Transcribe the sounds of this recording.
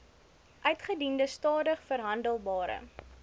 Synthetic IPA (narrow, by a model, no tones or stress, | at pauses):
ʔœɥtχədindəstɑːdəχfərɦɐndəlˠbɑːɾə̰